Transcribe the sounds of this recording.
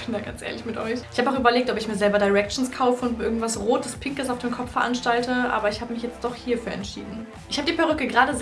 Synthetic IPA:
b̥ɪndaːɡ̥ant͡sʔḛɐlɪçmɪtʔɔʏçʔɪçhaːbaʊxyːbɐleːk̚tɔpɪçmiːɐzɛlbɐdaɪʁɛk̚t͡ʃn̩skʰaʊfəʊntɪɐɡŋ̩tv̥asʁoːtəspʰɪŋkəsaʊfd̥eːmkʰɔp͡fffɛɐʔanʃtaltʰəʔa̰ːbɐɪçhaːbəmɪçjɛt͡std̥ɔχhiːɐfyːɐʔɛ̰ntʃḭːdn̩ | ɪçhaːbədiːpʰaʁʏkəɡʁaːdəz

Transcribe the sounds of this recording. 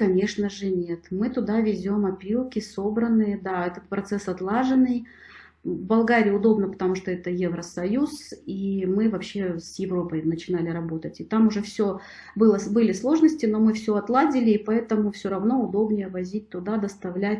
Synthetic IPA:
kɐnʲe̞ʂnəʐɨnʲe̞t̪mɨt̪ʊd̪avʲɪzʲo̞mɐpʲɾʲilˠkʲɪso̞bɾənːɨjəd̪aɛt̪ət̪̚pɾɐt̪sɛsɐt̪lˠaʐɨnːɨj | vbɐlˠɡaɾʲɪjʊd̪o̞bnəpə̥t̪ɐmuʂt̪oɛt̪əjevɾəsɐjusimɨvɐpɕːe̞sjɪvɾo̞pəjnət͡ɕɪnalʲɪɾɐbo̞t̪ətʲɪt̪amʊʐɛfsʲo | bɨlˠəbɨlʲɪslˠo̞ʐnəsʲtʲɪno̞mɨfsʲɵɐt̪lˠadʲɪlʲɪːpɐɛt̪əmʊfsʲoɾɐvno̞ʊd̪o̞bnʲɪjəvɐzʲit̚ʲt̪ʊd̪ad̪əst̪ɐvlʲætʲ

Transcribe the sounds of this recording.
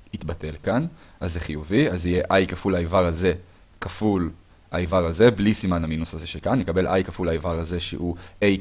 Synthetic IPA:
it̪bate̞lkanazːeχijuviazije̞ʔajkafulaivaʁaze̞ | kaful | aivaʁaze̞blisimanaminushazeʃekanːekabe̞lʔajkafulaevaʁaze̞ʃḛʔuej

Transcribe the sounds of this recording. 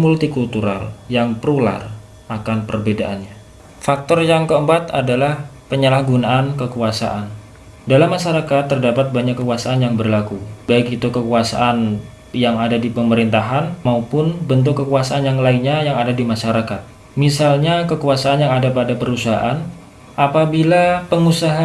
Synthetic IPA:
mult̪ikult̪uɾa̰ljaŋpəɾula̰r | ʔakanpərbedaʔanɲa | fak̚t̪ɔrjaŋkəəmpat̪a̰dalahpəɲəlahɡunaʔankəkuasa̰ʔan | dalamːaʃaɾakat̪ːərdapat̪̚baɲakːəkuasaanjaŋbərlakubaiɡit̪ukəkuasa̰ʔan | jaŋadadipəməɾint̪aɦanmaupʊnbənt̪̬ʊkːəkuasaʔanjaŋlainɲajaŋadadimaʃaɾakat̪̚ | misalɲakəkuasaanjaŋadapadapəɾusaɦa̰ʔan | ʔapabilapəŋusaɦa

